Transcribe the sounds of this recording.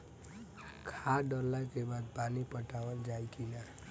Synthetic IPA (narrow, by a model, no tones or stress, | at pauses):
kʰaɖɔɾlakebad̪̚panipəʈawəld͡ʒajk̪ʰila